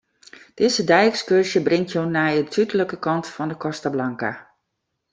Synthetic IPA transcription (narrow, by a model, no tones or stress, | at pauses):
d̥ɪzədɛjɛkskørsjəbrɪŋtʰjonajətʰytələkəkɑntfɔndəkɔstablaŋka̰